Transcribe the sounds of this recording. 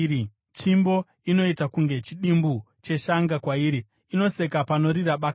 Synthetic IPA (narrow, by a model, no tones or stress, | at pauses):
t͡ʃimbo̞ | ino̞itakuŋɡe̞t͡ʃiɗimbu | t͡ʃe̞ʃaŋɡakwaiːɾi | ino̞se̞kapano̞ɾiɾaɓak